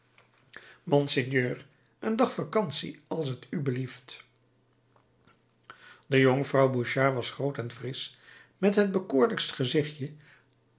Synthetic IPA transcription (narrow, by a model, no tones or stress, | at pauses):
mɔnsɪnjøːɹ | əndɑχfakɑnsḭɑlˠsɦətybəlift | dəjoŋəvrɑwbuʃaːɹʋɑsχrowtɛnfrɪs | mɛtɦəd̚bəkʊːɹləkstχəzɪχjə